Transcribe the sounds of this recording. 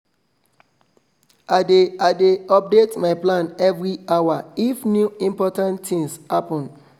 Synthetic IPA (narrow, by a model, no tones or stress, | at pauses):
adeadeɔp̚detmaɪplãnɛvɹiawaifnjuĩmpɔtãnttĩŋshapɔ̃n